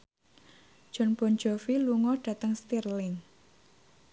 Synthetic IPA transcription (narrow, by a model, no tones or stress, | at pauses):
ʒ̥ɔ̤nb̥ɔnd͡ʒɔfiluŋɔɖ̥ä̤t̪əŋst̪irlɪn